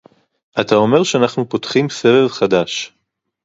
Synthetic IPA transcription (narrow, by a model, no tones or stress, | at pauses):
ʔat̪ao̞me̞ʁʃeanaχnupo̞tχimse̞velχad̪aʃ